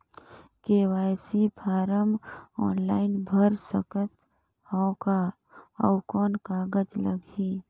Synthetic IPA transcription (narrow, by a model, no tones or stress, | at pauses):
keːwaːjsipʰaːɾəmɔ̰ːnlaːɪnbʱəɾsəkət̪ | hɔ̃ːka | ɔʊkɔːnkaːɡəd͡ʒləɡiː